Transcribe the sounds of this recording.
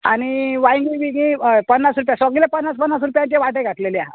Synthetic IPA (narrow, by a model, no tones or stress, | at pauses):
a̰ɽ̃iʋajŋɡiʋiɡĩpənːasɾup̬jãsəɡilepənːaspənːas̬ɾupjãɲt͡ɕeʋaʈeɡʱaʈleleaɦa̰